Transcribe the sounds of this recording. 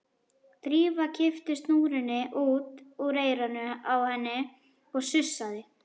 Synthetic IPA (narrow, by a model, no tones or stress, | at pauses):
t̪ɾiːvacʰɪft̪ɪst̪nuːɾɪnːɪʔuːt̪uɣɾeːjɾanʏawhɛnːɪ | ɔɣsʏsːaðɪ